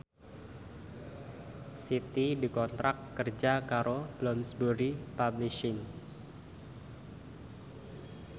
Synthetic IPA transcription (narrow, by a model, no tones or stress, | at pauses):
sit̪idikɔnt̪ɾʔakːərd͡ʒakaɾob̥lɔmsbuɾipabliʃɪŋ